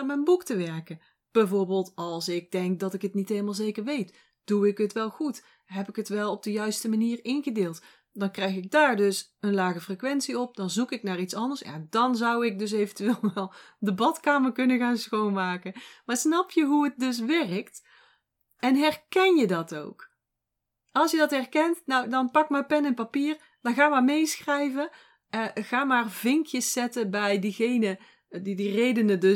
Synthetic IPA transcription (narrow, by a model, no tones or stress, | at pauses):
mɛnbuktəʋɛɹkən | b̥ɛjvoːɹbeːlˠtɑlˠsɪɡ̚dɛŋk̚dɑtɪkɦətnitɦejləmalˠzejkəɹʋejt | d̥uɪkɦətʋɛlˠɣut | ɦɛpɪkɦətʋɛlˠɔb̚dəjœɥstəmaniːrɪnɣədɪːlˠt | d̥ɑnkrɛjxɪɡ̚daːɹdɵs | ənlaːɣəfrekʋɛntsiɔp̚d̥ɑnzukɪknaːɹitsɑndəɹsja̰ːdɑnzʌwɪk̚dɵs̬ejvəntyʋeːlˠʋɛlˠdəbɑtkaːmərkɵnəɣaːnsxownmaːkəmaːɹsnɑpjəɦuət̚dɵs̬ʋɛrəkt | ɛnɦɛrkɛnjədɑto̰wk | ɑlˠsjədɑtɦɛrkɛntnɔwdɑnpɑk̚maːpɛnɪnpapiːr | d̥ɑnɣaːmaːɹmejsxrɛjvə | ɣaːmaːrvɪŋkʰjəsːɛtəbɛjdiɣejnə | didirejdənədɵ